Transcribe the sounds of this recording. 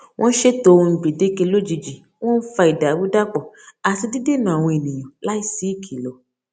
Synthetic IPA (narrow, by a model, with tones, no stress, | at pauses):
w̃ʔɔ̃˦n̩˦ʃe˦tõ˧˦˧ɡ͡be˨de˦ke˧lo˦d͡ʒi˧d͡ʒi˨ | w̃ɔ̃˦n̩˦fa˧i˨da˨bu˦da˦k͡pɔ˨ | a˨ti˧di˦de˦˨nã˨a˨w̃ɔ̃˧e˨nĩ˨j̃ɔ̃˨la˦i˦˨si˦i˦˨kʰi˨lɔ˨